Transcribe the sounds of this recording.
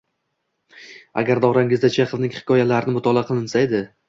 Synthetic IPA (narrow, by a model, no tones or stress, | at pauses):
a̰ɡʲaɾd̪ɒʁɾaŋɪzd̪at͡ʃʰeqɨvnɪŋhɪ̥kʲʰɒjalaɾɪnɪmʊt̪ʰɒlˠaqʰɨlˠɪnsaed̪ɪ